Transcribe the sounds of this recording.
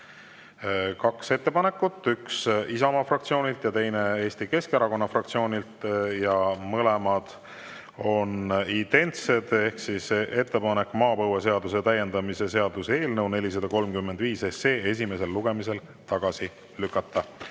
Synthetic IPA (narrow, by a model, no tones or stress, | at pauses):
kɑkse̞t̪ːe̞pɑne̞kːˑut̪ːˑyksisɑmɑfrɑk̚t̪sio̞ːnʲilt̪jɑt̪e̞jne̞eːst̪ike̞skeɾɑko̞nːɑfrɑk̚t̪sio̞ːnʲilt̪jɑmɤlemɑd̪̥ | o̞nint̪e̞nt̪se̞d̪̥ehksisʔe̞t̪ːe̞pɑne̞kːˑmɑːpɤwese̞ɑd̪use̞t̪æje̞nd̪̥ɑmise̞se̞ɑd̪̥usee̞ːlnɤwne̞lʲisɑd̪̥ɑko̞lmkymːe̞nd̪viːsese̞ːe̞s̬ʲime̞se̞lːuɡ̥e̞mise̞l | t̪ɑɡ̥ɑsi | lykːˑɑt̪ːɑ